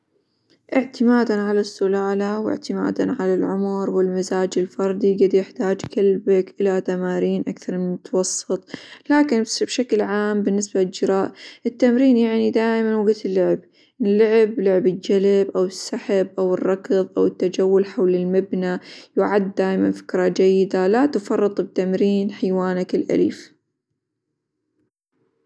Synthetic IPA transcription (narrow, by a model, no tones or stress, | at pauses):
ʔɪʕt̪ɪmaːd̪anʕalasːʊlaːlawɪ̰ʕt̪ɪma̰ːd̪a̰nʕalalʕʊmʊɾwɪlmazaːd͡ʒɪlfɑɾˤd̪ˤiɡad̪jɪħt̪aːd͡ʒkalbakʔɪlat̪amaːɾiːnʔakθɑɾˤmɪnmʊt̪wɑsˤːɨt̪ˤlaːkɪnbʃaklʕaːmbɪnːɪsbalɪld͡ʒɪɾˤɑːʔʔɪt̪ːamɾiːnjaʕnid̪aːʔmanwaɡat̪ɪlːʊʕɪb | lːʊʕɪblʊʕɪbɪld͡ʒalɪbʔawɪsːaħabʔawɨrˤːɑkɨðˤʔawɪt̪ːad͡ʒawːʊlħawlɪlmabnajʊʕad̪ːaːjmanfɪ̥kɾˤɑd͡ʒajːɪd̪alat̪ʊfɑrˤːɨt̪ˤbɪt̪amɾiːnħajwaːnakɪlʔa̰lḭːf